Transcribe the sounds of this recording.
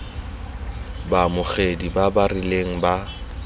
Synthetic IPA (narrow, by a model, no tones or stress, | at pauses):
bamʊχedibabarɪleŋ̩ba